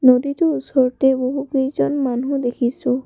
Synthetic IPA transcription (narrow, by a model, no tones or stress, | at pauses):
noditʊusɔɹtɛboɦukejzɔnmanũdekʰisʊ̃